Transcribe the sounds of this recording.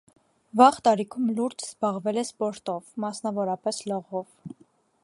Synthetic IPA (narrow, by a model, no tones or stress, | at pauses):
vɑʁt̪ɑɾikʰumluɾd͡ʒzbɑʁvɛlɛspɔɾt̪ɔvmɑsnɑvɔɾɑpɛslɔʁɔv